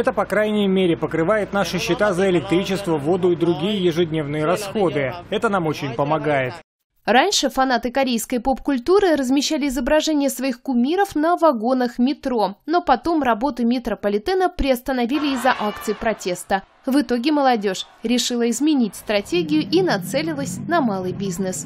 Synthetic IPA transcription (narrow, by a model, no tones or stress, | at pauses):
ɛt̪əpɐkɾajnʲɪjmʲeɾʲɪpəkɾɨvajɪt̪naʂɨɕːɪt̪azəɪlʲɪk̚t̪ɾʲit͡ɕɪst̪vəvo̞d̪ʊid̪ɾʊɡʲijəjɪʐɨdʲnʲe̞vnɨjəɾɐsxo̞d̪ɨɛt̪ənamo̞t͡ɕɪnʲpəmɐɡajɪt̪ | ranʲʂɨfɐn̪at̪ɨkɐɾʲejskəjpo̞pkʊlʲt̪uɾɨɾəzmʲɪɕːalʲɪɪzəbɾɐʐɛnʲɪjəsvɐixkʊmʲiɾəfnəvɐɡo̞nəxmʲɪt̪ɾo̞no̞pɐt̪o̞mrɐbo̞t̪ɨmʲɪt̪ɾəpəlʲɪt̪ɛnəpɾʲɪɐst̪ənɐvʲilʲɪːzːɐʔakt̪sɨjpɾɐtʲe̞st̪ə | vɨt̪o̞ɡʲɪməlˠɐdʲo̞ʂ | ɾʲɪʂɨlˠəɪzmʲɪnʲitʲst̪ɾɐtʲeɡʲɪjʊʔinɐt̪sɛlʲɪlˠəsʲnɐmalˠɨjbʲiznɨs